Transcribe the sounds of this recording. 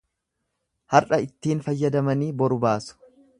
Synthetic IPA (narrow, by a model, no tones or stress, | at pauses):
hɐrʔɐɪt̪ːiːnfɐjːɐd̪ɐmɐniːbɔɾʊbaːsʊ̥